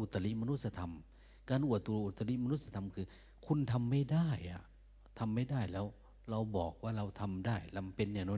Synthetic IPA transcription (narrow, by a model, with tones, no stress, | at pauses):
ʔu˨˩t̪ːa˧li˦˥ʔma˧nu˦˥t̪̚sa˧t̪ʰa˧m | kaː˧nʔu˨˩ət̪ːu˧ʔu˨˩t̪ːa˧li˦˥ʔma˧nu˦˥t̪̚sa˧t̪ʰa˧mkʰɯː˧ | kʰu˧˥nt̪ʰa˧mːa˥˩jdaː˥˩jʔa̰˨˩ | t̪ʰa˧mːa˥˩jdaː˥˩jlɛː˦˥w | ɾa˧wbɔː˨˩k̚waː˧˥˩ɾa˧wt̪ʰa˧mdaː˥˩jla˧wpe˧nːɛː˧˩nɔː˧˥˨